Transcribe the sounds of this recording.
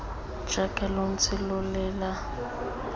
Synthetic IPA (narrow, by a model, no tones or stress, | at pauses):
ʒ̥akʼɛlon̩t͡sʰʼɪlʊlɛːla